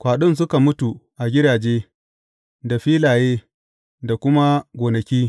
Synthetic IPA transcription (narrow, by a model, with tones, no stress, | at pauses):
kʷaː˨ɗʊ˦ns̬ʊ˦ka˨mʊ˦tu˨ʔa˨ɡʲɪ˦daː˨d͡ʒeː˦ | da˨ɸiː˦laː˨jeː˦ | da˨kʷʊ˦ma˦ɡʷoː˨nɐ˨kʲiː˦